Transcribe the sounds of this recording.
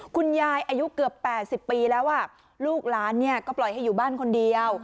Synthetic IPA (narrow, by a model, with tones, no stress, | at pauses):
kʰu˧njaː˧jʔaː˧ju˦˥kɯ˨˩əpːɛː˨˩t̪̚si˨˩pːiː˧lɛː˦˥wʔaː˥˩ | luː˥˩k̚laː˦˥nːi˥˩ɐkɔː˥˩plɔ˨˩jha˥˩jːuː˨˩baː˥˩nkʰo˧ndi˧əw